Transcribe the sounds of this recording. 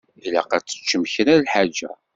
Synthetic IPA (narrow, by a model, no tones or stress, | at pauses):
læ̰qæt͡sːə̥t͡ʃːəmçənælħad͡ʒæ̰